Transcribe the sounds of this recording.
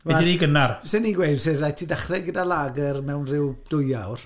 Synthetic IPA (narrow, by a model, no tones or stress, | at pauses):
iniɡənarsɛniːɡwejdserajtʰidaχrɛɡədalˠaːɡərmɛwnrɪwd̥ʊjawr